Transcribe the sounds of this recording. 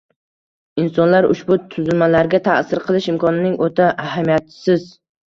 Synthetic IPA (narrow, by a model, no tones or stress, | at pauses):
ɪnsɒnlaɾʊ̰ʃbʊt̪ʰʊzɪlmalaɾɡʲat̪ʰasɪɾqʰɨlˠɪʃɪmkʰɒnɪnɪŋot̪ʰaʔːhamijat̪ʰɪ̥sɪz